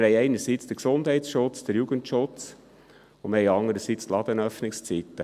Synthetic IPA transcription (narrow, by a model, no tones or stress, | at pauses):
ɾhæɪɛɪnəsit̪sd̪ɛksʊnd̪hɛɪt̪sʃɔt̪sd̪ɛɾjuːɡ̥ənt̪ʃɔt̪s | ɔməɾhɛɪɑŋəɾəsit̪st̪lɑːd̪ənœfnɪŋst͡sit̪ːə